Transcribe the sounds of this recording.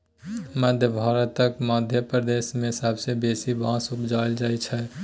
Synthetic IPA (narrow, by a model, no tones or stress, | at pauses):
məd̪ʱjəbʱaːɾət̪ːəkməd̪ʱjəpɾəd̪eːsmẽɪsaːbsebeːsibãsupd͡ʒaːeld͡ʒaːit͡ʃʰɛ